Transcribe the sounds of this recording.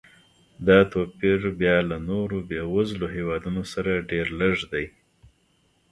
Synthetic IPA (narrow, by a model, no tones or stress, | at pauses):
d̪ɑt̪opiɾbjɑlanoɾobewazloɦewɑd̪unosaɾaɖeɾləʐd̪aj